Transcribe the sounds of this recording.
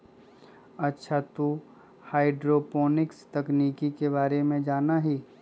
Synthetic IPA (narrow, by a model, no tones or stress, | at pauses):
ɐtːʃʰat̪u | haːɪɖɾoːpoːnɪkst̪ɐkniːkikebaːɾemẽd͡ʒaːnaɦiː